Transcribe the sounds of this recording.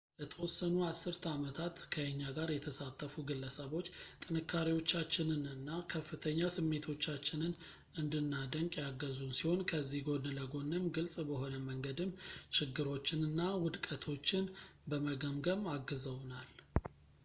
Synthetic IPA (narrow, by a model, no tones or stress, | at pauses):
lət̪ʰəwɔsːənuasːɨɾt̪ʰamət̪ʰat̪kʰəəɲːaɡaɾjɛt̪ʰəsat̪ʼːəfuɡɨlːəsəβo̞t͡ʃːt̪ʼɨnɨkːaɾiwo̞t͡ʃːat͡ʃːɪnɨnɨnːakʰəfːɨt̪ʰəɲːasɨmːe̞t̪ʰo̞t͡ʃːat͡ʃːɪnɨn | ɨnd̪ɨnːad̪əŋkʼjaɡəzunsiho̞nkʰəzːihɡo̞d̪ɨləɡo̞nːəmɡɨlsʼbəho̞nəməŋɡəd̪ɨmːt͡ʃɪɡːɨɾo̞t͡ʃːɪnɨnːawʊd̪kʼət̪ʰo̞t͡ʃːɪnbəməɡəmɡəmaɡːɨzəwnal